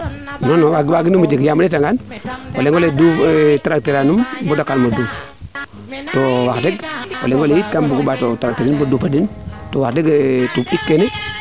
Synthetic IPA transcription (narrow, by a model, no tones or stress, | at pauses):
nonowaɡwaɡinumud͡ʒikjamanetaŋɡanwoleŋɡoledutaɾak̚teɾanumbudokːalmodu | towakdeɡwo̰leŋɡolejitkambuɡubatotaɾak̚teɾinbodupadintowakdeɡtubikːene